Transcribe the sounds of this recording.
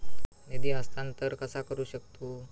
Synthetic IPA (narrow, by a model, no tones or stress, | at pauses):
ned̪iɦast̪ʰant̪əɾkəsakəɾuːɕək̚t̪u